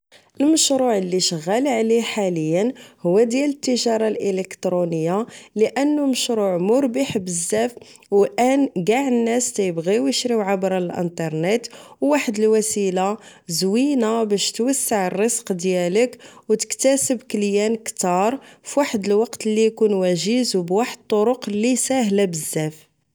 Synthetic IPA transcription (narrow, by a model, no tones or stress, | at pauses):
ʔəlməʃɾuʕlːiʃəɣːælʕliħaləjːənhʊwːæd̪jælət̪ːəʒɑɾˤɑlʔələkt̪ɾunəjːaləʔənːuməʃɾuʕmʊɾbəħbəzːæf | wlʔænɡaʕənːæst̪æjəbɣiwjəʃɾiwʕabɾˤɑlʔə̰nt̪ˤɑɾˤnet̪wːaħəd̪əlwæsila | zwinabæʃt̪wəsːaʕərˤːəsqd̪jæləkwt̪ə̥kt̪æsəbkəljænkt̪ɑɾˤfwaħəd̪əlwɑqt̪əlːijkunwæʒizubwaħəd̪̚t̪ˤːoɾʊqlːisæɦlæbəzːæf